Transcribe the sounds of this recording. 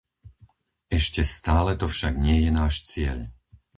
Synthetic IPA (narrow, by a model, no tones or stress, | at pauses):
ɛʃcɛst̪aːlɛt̪ɔfʃaɡɲɪɛjɛnaːʃt͡sɪɛ̰ʎ